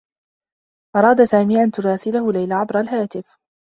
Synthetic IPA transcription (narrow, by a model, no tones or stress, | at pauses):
ʔɑɾˤɑːd̪asaːmiːʔant̪ʊɾˤɑːsɪlahʊlajlaʕabɾˤalɦaːt̪ɪf